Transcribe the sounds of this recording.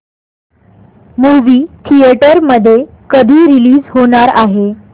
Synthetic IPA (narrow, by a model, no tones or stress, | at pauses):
muʋiːt̪ʰieʈəɾməd̪ʱːje | kəd̪ʱiːɾiliːd͡zɦoɽ̃aɾaɦe